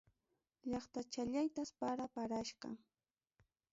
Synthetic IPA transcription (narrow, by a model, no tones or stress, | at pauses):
ʎɑχt̪at͡ʃaʎajt̪aspaɾapaɾaʃɢɑ̰